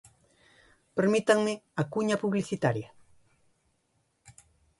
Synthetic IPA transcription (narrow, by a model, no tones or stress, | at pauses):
peɾmɪt̪aŋmɪakʊɲapʊβlɪsɪt̪aɾja